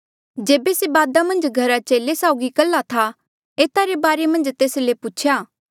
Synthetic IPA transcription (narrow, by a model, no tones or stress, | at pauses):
d͡ʒeːbesebaːd̪amɐ̃nd͡ʒɡʱɐɾat͡ʃeːlesaːʊɡikɐlːat̪ʰa | eːt̪aɾebaːɾemɐ̃nd͡ʒt̪eːsleput͡ʃʰjaː